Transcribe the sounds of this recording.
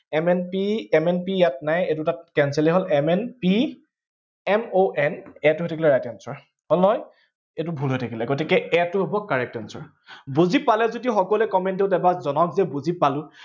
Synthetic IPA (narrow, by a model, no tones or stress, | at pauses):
ɛmɛnpiɛmɛnpijat̚najetʊtatkɛnsɛlɛɦɔlɛmɛnpi | ɛmoʔɛnɛtʊɦojtʰakʰilɛɹajtɛnsɔɹ | hɔlnɔj | etʊbʱulɦojtʰakilɛɡotikɛɛtʊɦobɔkːaɹɛk̚tɛnsɔ̰ɹ | buzipalɛzodixɔkɔlɛkɔmɛnteʊtɛbazɔnɔkzɛbuzipalʊ̃